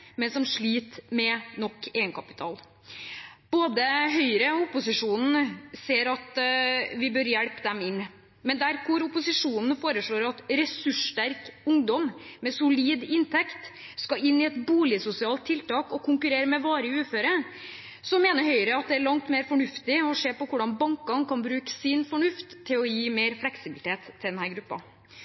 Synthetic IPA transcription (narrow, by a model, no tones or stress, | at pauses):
mɛnsɔmʂɭiːt̪mɛnɔkːeːɡənkʰɑpɪ̥t̪ʰɑ̰ːl | b̥oːd̪əɦœʏɾəɔʊpʊsɪʂuːnn̩seːɾɑt̪ʋɪbœɾjɛɽpd̪ɛmɪnː | mɛnd̪æɾkʊɾʊpʊsɪʂuːnn̩foːɾəʂɭoːɾɑt̪ɾɛsʉʂt̪æɾkʊŋd̪ɔmmɛsʊliːd̪ɪnt̪ʰɛkt̪ | skɑɪnːɪɛt̪buːlɪəsʊsɪɑːlt̪ʰːɪlt̪ɑːkɔkʰʊŋkʉɾeːɾəmɛʋɑːɾəʉːføːɾə | sɔmːeːnəɾɦœʏəɾəɑt̪̚d̪ɛæɾɭɑŋt̪meːɾfɔɳʉft̪ɪɔseːpɔkʊɖɑnbɑŋkɑnkʰɑnbɾʉːkə̥sɪnfɔɳʉft̪ʰːɪlɔjiːmeːɾflɛksɪbɪlɪt̪ʰeːt̪ʰːɪld̪ɛnhæːɾɡɾʉpːɑ̰